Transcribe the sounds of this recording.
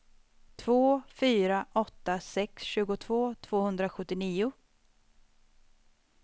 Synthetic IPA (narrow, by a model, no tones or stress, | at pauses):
t̪ʰv̥oːfyːɾaʔɔt̪ːasɛksɕʉ̟ːɡʊt̪ʰv̥oːt̪ʰv̥oːhɵnd̪ɾaɧɵt̪ːɪniːʊ